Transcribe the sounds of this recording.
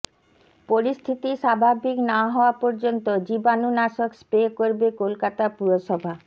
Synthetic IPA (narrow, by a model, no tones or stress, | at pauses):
poɾist̪ʰit̪iʃabʱabʱiknaɦɔoapoɾd͡ʑont̪od͡ʑibanunaʃokspekoɾbekolkat̪apuɾoʃɔbʱa